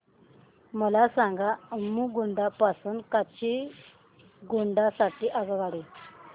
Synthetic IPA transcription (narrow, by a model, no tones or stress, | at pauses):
məlasãŋɡamuːɡuɳɖapasuːnkat͡ɕi | ɡuɳɖasaʈiːʔaɡəʋaɽi